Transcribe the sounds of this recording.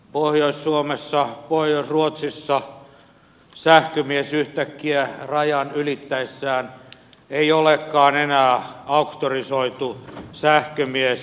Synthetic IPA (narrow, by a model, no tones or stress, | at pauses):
pohjoissuomesːɑpohjoisruot̪sisːɑ | sæhkømiesyht̪ækːiærɑjɑnylit̪ːæisːæːneiolekːɑːnenæːɑukt̪orisoit̪usæhkømies